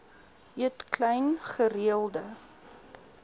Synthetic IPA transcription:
iətklɛjnχəriəlˠdə

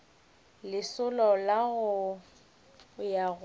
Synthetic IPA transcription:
lɪsʊlɔlaɣʊ | jaɣ

